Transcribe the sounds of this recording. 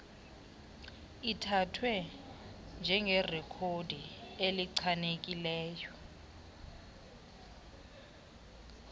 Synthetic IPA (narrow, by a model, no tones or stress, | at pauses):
itʰatʰwɛ | nd͡ʒʱɛŋɡʱerɛkʰodʱieliǀʰanek̬ʼilɛːjɔ